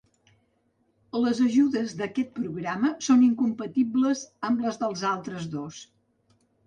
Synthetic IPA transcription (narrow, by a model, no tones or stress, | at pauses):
ləzəʒuðəzðəkɛt̪̚pɾuɣɾaməsoniŋkumpət̪ibləzəmbləzðəlˠzalˠt̪ɾəzðos